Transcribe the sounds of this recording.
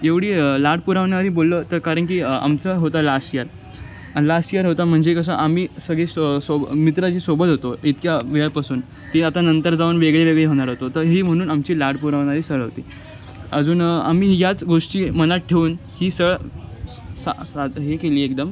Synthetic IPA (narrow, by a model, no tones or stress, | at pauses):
eʋɽiːəlaɽ̚puɾaʋɳ̃aɾiːbolːət̪əɾkaɾəɳk̬iːa̰mt͡səɦot̪alasijəɾ | alasijəɾɦot̪am̤əɳd͡zekəs̬aʔamiːsəɡɭessomit̪ɾat͡ɕiːsobət̪ɦot̪oit̪kjaʋeɭpasuːn | t̪iat̪anənt̪əɾd͡zaʋuːnʋeɡɭeʋeɡɭeɦoɽ̃aɾɦot̪ot̪əɾɦiːm̤əɽ̃uːnamt͡ɕiːlaɽpuɾaʋɽ̃aɾiːsəɭɦot̪iː | əd͡zuːna̰miːjat͡sɡoʂʈiːməñat̪̚ʈʰːeʋuːnhiːsəɭ | sasad̪ɦekeliːek̚d̪əm